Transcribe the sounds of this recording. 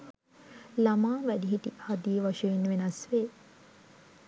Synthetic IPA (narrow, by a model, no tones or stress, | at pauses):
lamaːʋæd̪iɦiʈihad̪ijəʋaʃɐjinːəʋenasʋeː